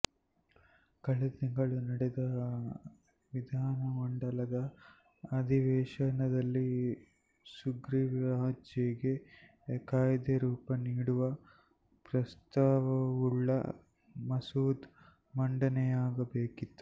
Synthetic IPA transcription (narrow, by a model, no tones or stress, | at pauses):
kɐɭɐt̪iŋɡɐɭunɐɽɛd̪ɐ | ʋid̪ʱaːnɐmɐɳɖɐlɐd̪ɐː | d̪ʱiʋɛːʃɐnɐd̪ɐlːi | suɡɾiɾaːd͡ʒjɐɡe̞ | kaːjd̪ɐɾuːpɐniːɽuʋɐ | pɾɐst̪aːʋɐuɭːɐ̰ | mɐsuːd̪ | mɐɳɖɐnɛjaːɡɐbeːkit̪ːu̥